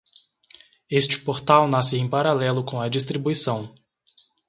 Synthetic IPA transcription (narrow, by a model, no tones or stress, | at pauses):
est͡ʃɪ̥poɾt̪awnas̬ɪẽj̃paɾalɛlʊkõw̃ɐd͡ʒist̪ɾibuisɐ̃w̃